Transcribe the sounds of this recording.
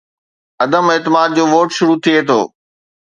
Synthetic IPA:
ɐd̪əmeːt̪ɪmaːd̪̚d͡ʑoːʋoːʈʃʊɾut̪ʰiet̪ʰo̰ː

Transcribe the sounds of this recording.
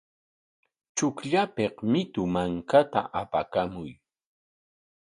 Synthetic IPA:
t͡ʃʊkʎapeqmɪt̪ʊmaŋkat̪a̰ʔapakamʊj

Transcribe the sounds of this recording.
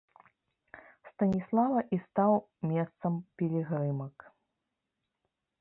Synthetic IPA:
st̪ɐnʲislˠavɐʔist̪aw | mʲɛst̪sɐmpʲɛlʲiɣɾɨmɐk

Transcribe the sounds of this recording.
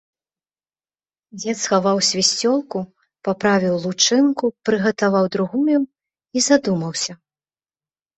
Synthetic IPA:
d͡zʲɛt̪sxavawsʲvʲisʲt͡sʲɔlˠku | papɾavʲiwlˠut͡ʂɨnkupɾɨɣɐt̪avawd̪ɾuɣuju | izad̪umɐwsʲɐ

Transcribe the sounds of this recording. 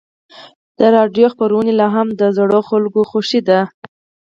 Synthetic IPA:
d̪̥əɾɑɖjoxpaɾawənelɑɦamd̪əzɽoxalɡoxoʃid̪a

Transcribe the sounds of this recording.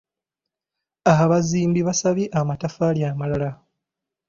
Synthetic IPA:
aaβaziːmbiβasaβiʔamatafaljaːmalala

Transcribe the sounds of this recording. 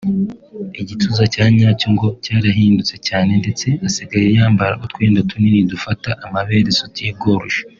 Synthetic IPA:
iɟitʰuzacaːɲaːcoŋɡo̞caːɾaɦiːndut͡se̞caːne̞nde̞t͡se̞asiɡajejaːmbaɾakotkweːndatʰuninidufataʔamaβe̞ːɾesotib̚ɡoːɾuʃḁ

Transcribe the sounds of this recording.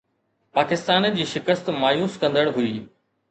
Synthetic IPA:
paːkɪst̪aːnd͡ʑiːʃɪkəst̪maːjuːskɐ̃nd̪əɽɦʊiː

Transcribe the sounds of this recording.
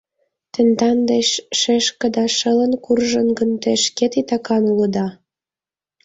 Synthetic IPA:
t̪ə̆nd̪ɑnd̪eɕʃeʃkə̆d̪ɑʃə̆lə̆nkurʒə̆nɡə̆nt̪eʃket̪it̪ɑkɑnulə̆d̪ɑ

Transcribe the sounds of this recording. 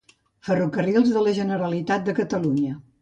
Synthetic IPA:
fərukərilˠzðələʒənəɾəlit̪at̪̚d̪əkət̪əluɲə

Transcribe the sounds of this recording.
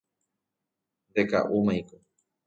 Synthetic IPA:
nd̪eka̰ʔumãjko

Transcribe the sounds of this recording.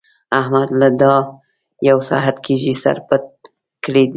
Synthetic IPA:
ahmad̪lad̪ɑ | jawsa̰ɦat̪kʰeʒisa̰ɾpət̪̚ | kəɽed̪i

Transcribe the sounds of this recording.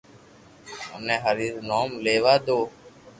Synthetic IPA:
ə̰nẽːɦəɾiːznoːmleːʋaːd̪oː

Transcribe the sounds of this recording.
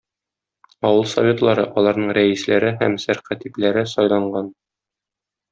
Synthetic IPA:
ɒwɤlˠsɐ̰vʲet̪lˠɑɾɤʔɒlˠɑɾnɤɴɾæislæɾɘɦæmsæɾqæt̪iplæɾɘsɒjlˠɑɴɢɑn

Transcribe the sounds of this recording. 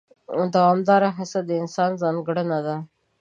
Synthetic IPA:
d̪awɑːmd̪ɑɾaɦasad̪əɪnsɑːnzɑnɡɽanad̪a

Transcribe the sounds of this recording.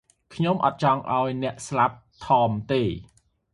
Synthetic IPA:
kʰɲomʔɑ̰t̪̚t͡ɕɑŋʔa̰ɔjnɛ̆əʔslap̚t̪ʰɑːmt̪eː

